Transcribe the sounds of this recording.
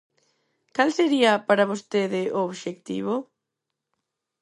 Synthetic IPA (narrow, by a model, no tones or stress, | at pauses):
kalseɾiɐpaɾaβost̪eðɪʔooβʃekt̪ḭβo